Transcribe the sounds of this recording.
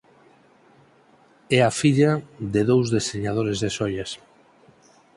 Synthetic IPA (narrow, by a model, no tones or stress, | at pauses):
ɛafiʎaðɪðowzðeseɲað̞oɾezðesɔjas